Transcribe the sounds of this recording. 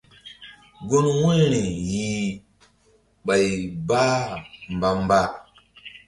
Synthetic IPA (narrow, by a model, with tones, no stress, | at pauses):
ɡo˦nwe˦ɾe˨ji˨ | ɓa˨jba˦m˨ba˨m˦ba˦